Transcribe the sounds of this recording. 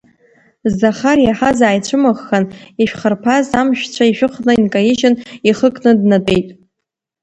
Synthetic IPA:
zːaχarjaħazaːjt͡ɕʷʰɨmɨχːaniʃᶣχərpʰazamʃᶣt͡ɕʷʰaiʃᶣɨχnɨinkʼajiʃɪniχəkʼnɨdnatʼe̞jtʼ

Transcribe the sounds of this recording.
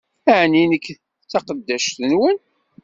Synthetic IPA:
æʕninəkː | t͡sːɑqəd̪ːæʃt̪ənwən

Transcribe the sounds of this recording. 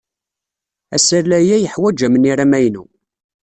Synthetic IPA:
æ̰səɾlæjæjəħwæd͡ʒæməniɾæmæjnṵ

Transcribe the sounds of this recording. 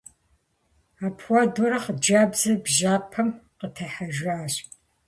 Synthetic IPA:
aːpʰwadɔɾɐχd͡ʒaːbzɐbʒaːpʰɐmqətʰɐħaʒʷaːɕʼ

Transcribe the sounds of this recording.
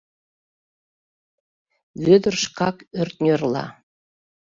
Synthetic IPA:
βød̪ə̆rʃkɑkørt̪̚nʲørlɑ̰

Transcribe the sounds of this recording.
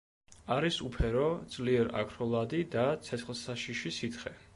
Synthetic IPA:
aɾisupʰɛɾɔd̪zʼliɛɾa̰kʰɾɔlˠad̪id̪at̪sʰɛt̪sχlˠsaʃiʃisit̪ʰχɛ

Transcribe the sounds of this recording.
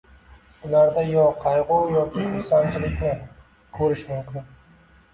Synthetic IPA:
ʊlaɾd̪ajɒqʰɑjʁʊwjɒkʲʰɪsant͡ʃʰɪlɪkʲnɪ | kʰɵɾɪʃmʊmkʲʰɪn

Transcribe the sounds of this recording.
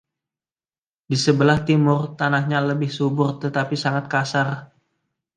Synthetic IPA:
disəbəlaht̪imʊrt̪anahɲaləbɪhsubʊrt̪ət̪apisaŋat̪̚kasar

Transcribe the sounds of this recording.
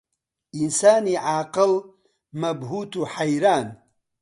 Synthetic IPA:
insaːniʕaːqɨl | mɐbɦuːt̪uħajɾaːn

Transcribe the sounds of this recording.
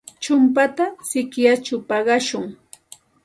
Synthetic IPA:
t͡ʃʊmpat̪asɪkjat͡ʃʊpɑɢɑʃʊŋ

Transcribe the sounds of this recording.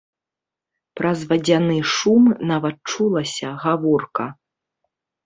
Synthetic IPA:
pɾɐzvɐd͡zʲanɨʂumnavɐt̪̚t͡ʂulˠɐsʲɐɣavɔrkɐ

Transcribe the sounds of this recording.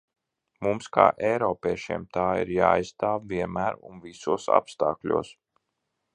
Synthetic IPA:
mumska̰ːʔɛjɾɔːpʲeɛʃiɛmt̪aːḭɾja̰ːa̰jsst̪aːvviɛnmæːɾṵnvisuɔsa̰pst̪aːklʲṵɔːs

